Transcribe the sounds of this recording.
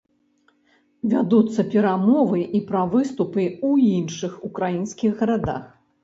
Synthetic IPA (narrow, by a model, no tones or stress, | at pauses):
vʲad̪ut̪sːɐpʲɛɾamɔvɨʔipɾɐvɨst̪upɨuinʂɨxukɾajinsʲkʲiɣɣɐɾad̪a̰x